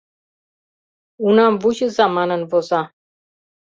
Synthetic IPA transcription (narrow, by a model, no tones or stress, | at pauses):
unamvuʑəzamanənvɔza